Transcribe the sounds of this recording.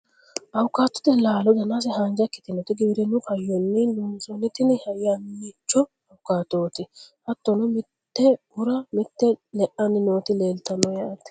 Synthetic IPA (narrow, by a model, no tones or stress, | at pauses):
ʔɐwʊkːaːt̪ːʊ̥t̪ɛlaːlɔd̪ɐnas̬ɛhaːnd͡ʒɐkːɪ̥t̪ɪnɔt̪ɪɡɪbɪɾɛnʊfɐjːɔnːɪdʊmsɔnːɪt̪ɪnɪhɐjːamit͡ʃːɔ | ɐwʊkaːt̪oːt̪ɪhɐt̪ːɔnʊmɪt̪ːɛ | ʊɾɐmɪt̪ːɛlɛʔɐnːɪnoːt̪ɪle̞ːlt̪ɐnːɔjaːt̪ɪ̥